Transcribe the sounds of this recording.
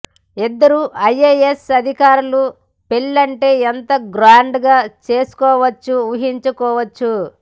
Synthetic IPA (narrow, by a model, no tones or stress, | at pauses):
id̪ːɐɾuʔɐjːejesɐd̪ʱikaːɾulu | pelːɐɳʈe̞ːent̪ɐɡɾaːɳɖɡaːt͡ʃe̞ːsu̥kɔːʋɐt͡ʃːuuɦiɲt͡ʃukɔːʋɐt͡ʃːu